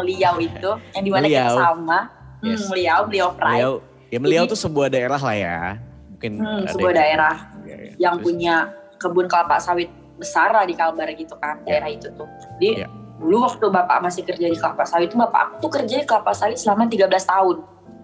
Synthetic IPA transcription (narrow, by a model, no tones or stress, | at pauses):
məliawit̪ujaŋdimanaasamam̩məliawməliawpɾa | jaməlliawt̪usəbuahdaeɾaɦlahja̰mukɪnm̩səbuahdaeɾahjaŋpuɲa | kəbʊnkəlapa̰ʔsawɪt̪̚ | bəsarlahdikabaɾɡit̪ukandaeɾahit̪ut̪ʊh | d͡ʒadiduluwak̚t̪ubapa̰ʔmasɪhkərd͡ʒadikəlapaʔsawɪt̪ːubapa̰ʔaku̥t̪ukərd͡ʒadikəlapaʔsawɪt̪̚səlamat̪̬iɡabəlast̪aʊn